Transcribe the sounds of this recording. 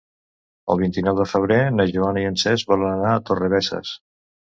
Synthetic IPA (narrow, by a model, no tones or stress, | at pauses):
ə̰lˠβint̪inɔwðəfəβ̞ɾenəʒuanəiənsɛzβɔlənənaət̪orəβɛsə̰s